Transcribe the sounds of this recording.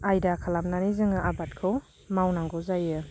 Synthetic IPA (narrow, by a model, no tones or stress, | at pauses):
ajdakʰalamnanizɯŋɯʔabat̚kʰɯw | mawnaŋɡɔzajɯ